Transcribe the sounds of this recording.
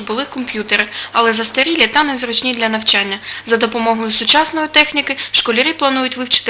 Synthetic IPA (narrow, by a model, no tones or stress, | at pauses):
bʊlˠɪkɔmpʲjut̪eɾɪɐlˠɛzɐst̪eɾʲilʲɪt̪ɑnɛzrɔt͡ʃnʲid̪lʲɐnɐwt͡ʃɑnʲːɐzɐd̪ɔpɔmɔɦɔjʊsʊt͡ʃɑsnɔjʊt̪ɛxnʲikɪʃkɔlʲɪɾʲiplˠɐnujʊtʲʋɪwt͡ʃɪ̥t̪ɪ